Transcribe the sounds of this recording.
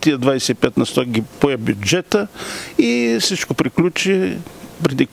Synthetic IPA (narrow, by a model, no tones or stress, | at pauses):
t̪iəd̪vajsɛipɛt̪nɐst̪ɔkɡʲipoɛbʲjʊd͡ʒɛt̪əisit͡ʃkopɾiklʲut͡ʃipɾɛd̪i